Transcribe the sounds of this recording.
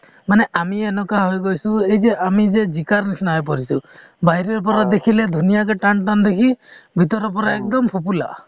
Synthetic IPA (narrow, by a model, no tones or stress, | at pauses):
maneʔamienɔkaɦojɡojsuejd͡ʒeʔamid͡ʒed͡ʒikaɾnisnajp̬ɔɾisṵ | baɦiɾɔɾpɔɾɔd̪ekʰiled̪ʱunijakeʈanʈand̪ekʰibʱit̪ɔɾɔpɔɾaekd̪ɔmpʰupula̰